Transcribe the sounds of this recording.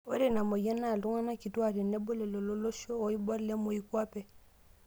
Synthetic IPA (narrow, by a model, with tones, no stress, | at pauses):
o˦ɾe˦˨na˨mo˨jɛ˦na˦˨lu˦ŋa˦na˦ki˨tu˦a˨ɾi˨nɛ˦bo˦lɛ˨lo˨lo˦lo˦ʃo˦o˨i˦bɔ˦ɾle˦mo˨i˦kwa˦pɛ˨